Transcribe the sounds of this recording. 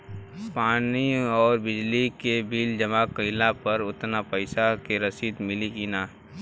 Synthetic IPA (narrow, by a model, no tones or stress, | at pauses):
paːniɔːɾbɪd͡ʒlikebiːld͡ʒəmaːkəɪlapɐɾʊt̪napəɪsakeɾɐsiːd̪mɪlikinaː